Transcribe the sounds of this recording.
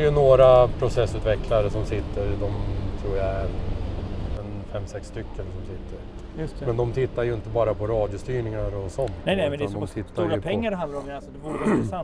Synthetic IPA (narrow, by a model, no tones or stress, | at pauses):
jɵnoːɾapʰɾʊsɛsːʉːt̪vɛkʰlaɾəsɔmsɪt̪ːəɾd̪ɔmt̪ʰɾuːjaæɾ | ɛnfɛmːsɛksːt̪ʏkːənsɔmsɪt̪ʰːəɾ | j̪mɛnd̪ɔmt̪ʰɪt̪ːaɾjɵɪnt̪əbɑːɾapʰɔɾɑːd̪jʊst̪yːɳɪŋaɾɔsɔnːɛnɛmɛd̪and̪ɔmt̪ʰɪt̪ːajɾapʰɛŋːaɾhanlaɾɔmɛasd̪ɛvuːɾsan